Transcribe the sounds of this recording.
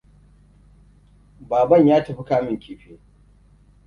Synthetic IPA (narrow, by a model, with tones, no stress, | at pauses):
baː˨bɐ˦˨ɲjaː˦tɐ˨ɸi˦kaː˦mɪ˦˨ŋkʲiː˨ɸeː˦